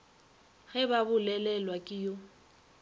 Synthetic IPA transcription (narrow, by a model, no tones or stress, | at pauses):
ɣɛbabʊlɛlɛlwakʼɪjo